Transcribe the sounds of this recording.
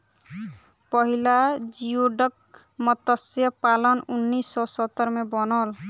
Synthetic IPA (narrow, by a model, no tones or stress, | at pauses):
pʌɦilad͡ʒijoɖʌk̚ | mʌt̪əsjʌpalʌnunːisːɔsʌt̪ːəɾmebɔnɔl